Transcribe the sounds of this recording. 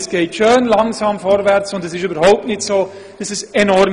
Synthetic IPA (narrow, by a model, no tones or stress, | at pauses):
sɡ̥eːtʃøːnlaŋzɑːmfɔɾvɛʁt͡sʊndɛsɪʃyːbəɾhaʊp̚tnɪtsoː | d̥asɪsɛnɔɾm